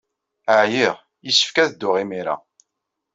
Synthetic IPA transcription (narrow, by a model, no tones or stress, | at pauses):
əʕjiʁ | jisə̥fkæðd̪ːʊʁimiɾa̰